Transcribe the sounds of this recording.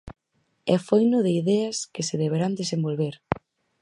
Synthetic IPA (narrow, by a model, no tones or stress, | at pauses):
ɛfojnʊðeiðɛɐskɪseðeβ̞eɾand̪esembolβeɾ